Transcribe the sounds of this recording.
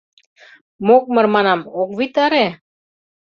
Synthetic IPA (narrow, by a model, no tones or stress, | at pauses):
mok̚mə̆ɾmɑnɑmok̚βit̪aɾe